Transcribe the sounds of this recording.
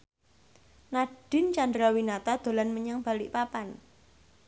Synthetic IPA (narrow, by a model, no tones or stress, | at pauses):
naɖ̥ɪ̤nt͡ʃand̪ɾawinat̪ad̪̥o̤lanməɲaŋb̥a̤lɪʔpapan